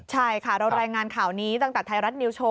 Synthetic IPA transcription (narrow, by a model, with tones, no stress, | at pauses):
t͡ɕʰa˥˩jkʰa˥˩ɾa˧wɾaː˧jŋaː˧nkʰaː˨˩˦wniː˦˥t̪a˧˩ŋt̪ɛː˨˩t̪ʰa˧jɾa˦˥t̪̚niː˧wt͡ɕʰoː˧˥